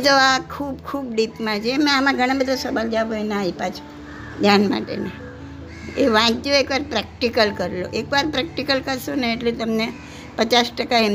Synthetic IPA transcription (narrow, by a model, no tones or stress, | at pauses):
d͡ʒoakʰubkʰub̚ɖipmãt͡ʃʰemɛ̃amãɡʱəɽ̃ãbəd̪ʱosəʋald͡ʒaʋoenaaipat͡ʃʰo̥ | d̪ʱjanma̰ʈḛne | eʋãt͡ʃtoekʋaɾpɾɛk̚ʈikəlkəɾelo̰ʔekʋaɾpɾɛk̚ʈikəlkəɾʃoneːʈlet̪əmne | pət͡ʃasʈəkaem